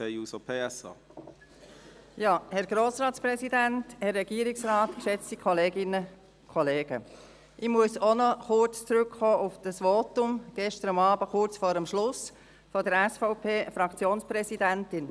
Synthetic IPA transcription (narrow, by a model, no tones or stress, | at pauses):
eusopʰeːɛsɑ̰ː | jɑːhɛɾɡ̥ɾoːsɾɑːtspɾɛsidænthɛrːɛɡiːɾɪksɾɑːtkʃɛt͡stikʰɔleːɡɪnə | kʰχɔleːɡ̥ə | ʔɪmuəsonɔχʊrt͡st͡sɾʏkχɔːʔʊfd̥ɑsʋotʊmɡ̥ɛʃtəɾʊmɑːbəχʊrt͡sfɔːɾəmʃlʊs | fɔdəɾɛsfɔʊpʰeːfɾɑkt͡sjoːnspɾɛsidæntɪn